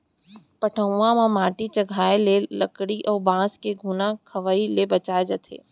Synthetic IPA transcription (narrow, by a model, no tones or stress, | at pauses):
pɐʈʰəãmãmaːʈit͡ʃɐɡʱaːelelɐkɽiʔɔːɾbãːskeɡʱunãkʰɐʋailebɐt͡ʃaːed͡ʒɐt̪ʰḛː